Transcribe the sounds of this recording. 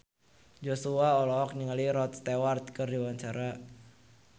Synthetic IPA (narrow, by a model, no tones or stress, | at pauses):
d͡ʒosuaɔlɔɔk̚ɲəŋəliɾɔt̪̚st̪ewart̪̚kɨrdiwaɲt͡ʃaɾa